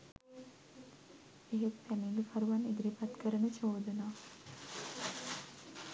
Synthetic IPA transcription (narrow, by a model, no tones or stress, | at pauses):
eɦet̪pæniɡəfaɾuʋaneɡ̪ɾipat̪kəɾənət͡ʃoːd̪unaː